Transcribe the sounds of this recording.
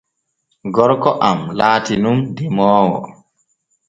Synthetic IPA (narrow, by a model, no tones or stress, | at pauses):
ɡɔɾkɔʔamlaːtinumdimɔːwɔ̰